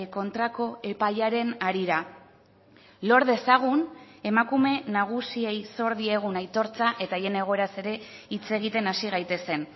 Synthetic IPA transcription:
ko̞nt̪ɾako̞e̞pajaɾe̞naɾiɾa | lo̞ɾðe̞saɣ̞une̞makume̞naɣ̞usie̞jso̞ɾðie̞ɣ̞unajt̪o̞ɾt͡saʔe̞t̪aje̞ne̞ɣ̞o̞e̞ɾase̞ɾe̞ | it͡se̞ɣ̞it̪e̞nasiɣ̞ajt̪e̞se̞n

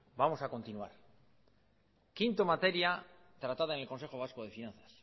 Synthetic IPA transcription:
bamo̞sako̞nt̪inua̰ɾ | kint̪omat̪e̞ɾja | t̪ɾat̪að̞aeŋe̞lko̞nse̞χo̞β̞askoð̞e̞finãnθḁs

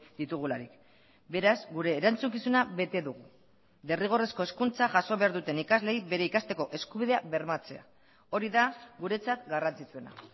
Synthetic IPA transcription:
d̪it̪uɣ̞ulaɾik | be̞ɾazɡuɾe̞ːɾant͡suŋkisunaβe̞t̪e̞ðuɣ̞u | d̪e̞riɣ̞o̞re̞sko̞e̞skunt͡saʝaso̞β̞e̞aɾðut̪e̞nikazle̞jbe̞ɾe̞ikast̪e̞ko̞ʔe̞skuβiðe̞aβe̞ɾmat͡se̞a̰ | o̞ɾiðaɡuɾe̞t͡sat̪ɡarant͡sit͡sue̞na̰

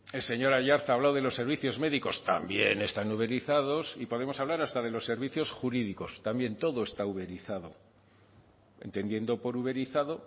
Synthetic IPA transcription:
e̞lse̞ɲo̞ɾaʝaɾθaːβlawðe̞lo̞sːe̞ɾβiθjo̞zme̞ðiko̞st̪a̰mbje̞̰ne̞st̪anuβe̞ɾiθaðo̞sipo̞ð̞e̞mo̞saβlaɾast̪að̞e̞lo̞sːe̞ɾβiθjo̞sxuɾiðiko̞st̪ambje̞nt̪o̞ðo̞e̞st̪auβe̞ɾiθaðo̞̰ | ent̪e̞nje̞nd̪o̞po̞ɾuβe̞ɾiθaðo̞

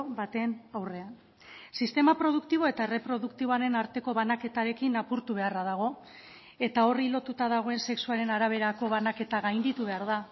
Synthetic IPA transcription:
bat̪e̞nawre̞an | sist̪e̞mapɾo̞ð̞ukt̪iβ̞o̞e̞t̪aere̞pɾo̞ðukt̪iβo̞aɾe̞naɾt̪e̞ko̞βanake̞t̪aɾe̞kinapuɾt̪uβ̞e̞araðaɣ̞o̞ | e̞t̪ao̞rilo̞t̪ut̪aðaɣ̞o̞e̞nse̞ksuaɾe̞naɾaβ̞e̞ɾako̞βanake̞t̪aɣajnd̪it̪uβe̞aɾða

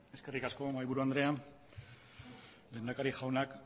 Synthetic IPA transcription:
e̞ske̞rikasko̞majβuɾuand̪ɾe̞an | le̞nd̪akaɾixawnak

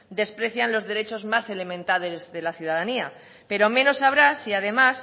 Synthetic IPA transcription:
d̪e̞spɾe̞θjanlo̞zðe̞ɾe̞t͡ʃo̞zmase̞le̞mẽnt̪aðezðe̞laθjuð̞aðania | pe̞ɾo̞mẽ̞no̞saβ̞ɾasiað̞e̞mas

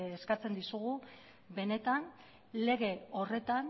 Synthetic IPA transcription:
skat͡se̞nd̪isuɣu | βe̞ne̞t̪an | le̞ɣ̞e̞o̞re̞t̪an

